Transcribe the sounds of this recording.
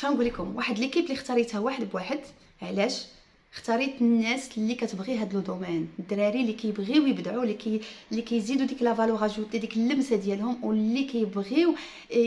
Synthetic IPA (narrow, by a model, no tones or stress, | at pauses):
ʃænɡulikʊmwaħəd̪əlikiblixt̪ɑɾˤit̪hæwaħəd̪bwaħəd̪ | ʕlæʃ | xt̪ɑɾˤit̪nːæslːikæt̪əbɣiɦæd̪ld̪umænd̪ɾˤɑɾilikæjəbɣiwjəbd̪ʕulːikælːikæjzid̪ud̪iklævɑluɣɑʒut̪ːæd̪ikəlːəmsæd̪jælhʊmwlːikæjəbɣiw